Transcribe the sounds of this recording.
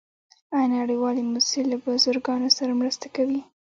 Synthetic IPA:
anaɽəjwɑlimʊselabazʊɾɡɑnosaɾamɾəst̪akawi

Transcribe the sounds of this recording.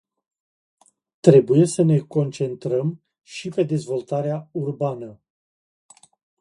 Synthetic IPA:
t̪ɾe̞buje̞səne̞ko̞nt͡ʃe̞nt̪ɾəm | ʃipe̞d̪e̞zvo̞lt̪aɾeaurbanə

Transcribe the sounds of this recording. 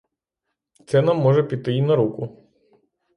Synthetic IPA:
t̪sɛnamːɔʒɛpʲit̪ɪinɐɾukʊ

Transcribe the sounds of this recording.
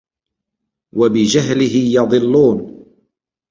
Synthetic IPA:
wabɪd͡ʒaɦlɪɦɪjɑðˤɨlːuːn

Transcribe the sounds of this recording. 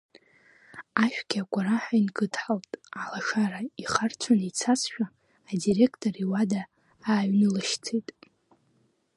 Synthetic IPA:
aʃᶣɡʲaɡʷʼaɾaħʷainɡɨtʰħaltʼalaʂaɾaiχart͡sʷʰanait͡sʰasʃᶣaː | dire̞kʰtʼoriwada | aːɥnɨlɨʃt͡sʰejtʼ

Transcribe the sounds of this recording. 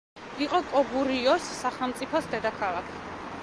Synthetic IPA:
iqʼɔkʼɔbuɾiɔsːaχɛlˠmt̪sʼipʰɔsd̪ɛd̪akʰalˠakʰi̥

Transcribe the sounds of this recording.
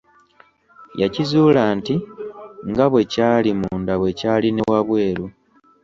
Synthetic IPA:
jacizuːlaːntiŋɡaβwe̞caːlimuːndaβwe̞caːline̞waβwe̞ːɾu

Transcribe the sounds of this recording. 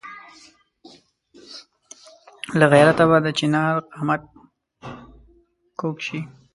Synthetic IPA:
laɣɛɾat̪aβad̪ət͡ʃinɑɾqamat̪̚ | kokʃi

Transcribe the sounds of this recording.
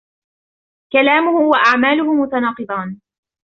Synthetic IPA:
kalaːmʊhʊhʊwaʔaʕmaːlʊɦʊmʊt̪ɑnɑːqɨd̪ˤɑːn

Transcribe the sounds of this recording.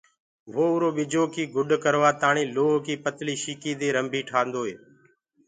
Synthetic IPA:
ʋoːʊɾoːɓɪd͡ʒoːkiːɡʊɗkəɾʋaːt̪aːɳĩːloːɦkiːpət̪liːʃiːkiːd̪eːɾəmbʱiːʈʰaːnd̪oːɦḛː

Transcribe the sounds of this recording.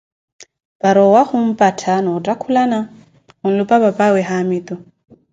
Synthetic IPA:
pʼaɾɔwahʊm̩pʼatʰanɔːtʼakʰulana | hʊn̩lʊpʼapapʼawɛɦamit̪ʼɔ

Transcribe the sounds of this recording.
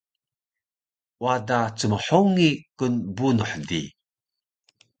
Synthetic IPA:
wadat͡səməħuŋikənbunuħdi

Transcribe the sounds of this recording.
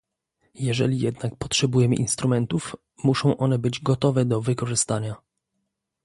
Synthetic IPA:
jɛʐɛ̰lʲijɛd̪nak̚pɔtʂɛbujɛmɘ̰ʔinst̪ɾumɛnt̪uf | muʂɔ̃w̃ʔɔn̪ɛbɘd͡ʑɡɔt̪ɔvɛd̪ɔvɘkɔʐɘst̪aɲa

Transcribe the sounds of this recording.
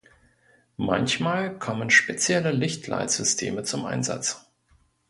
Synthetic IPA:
mançmaːlkʰɔmənʃpet͡sjɛləlɪçtʰla̰ɪtz̥ʏstʰḛːmət͡sʊmʔa̰ɪnza̰t͡s

